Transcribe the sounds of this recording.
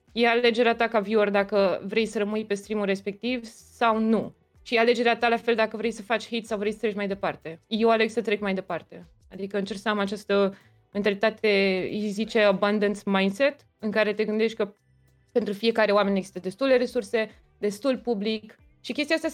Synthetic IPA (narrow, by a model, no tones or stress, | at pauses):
jeale̞d͡ʒe̞ɾeat̪akaviord̪akəvɾe̞jsəɾəmɨjpe̞st̪ɾimulɾe̞spe̞k̚t̪iv | sawnu | ʃiale̞d͡ʒe̞ɾeat̪alafe̞ld̪akəvɾe̞jsəfat͡ʃʲhit̪sawvɾejsət̪ɾe̞kmajd̪e̞part̪e̞jewaleɡsət̪ɾe̞kmajd̪e̞part̪e̞ | ad̪ikəɨnt͡ʃe̞rksəamat͡ʃast̪ə | me̞nt̪alit̪at̪e̞zit͡ʃe̞aband̪ənt̪smajnd̪se̞t̪ | ɨŋkaɾe̞t̪e̞ɡɨnd̪e̞ʃt̪̚ʲkə | pent̪ɾufije̞kaɾe̞owame̞neɡzi̥st̪əd̪e̞st̪ule̞ɾe̞surse̞ | d̪e̞st̪ulpublik | ʃikʲest̪iast̪ja